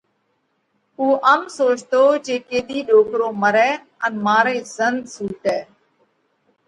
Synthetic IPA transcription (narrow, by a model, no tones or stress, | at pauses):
uːʔəmsoːt͡ʃt̪oːt͡ʃeːkeːɗ̪iːɗoːkɾoːməɾɛː | ənmaːɾeːzənd̪suːʈɛː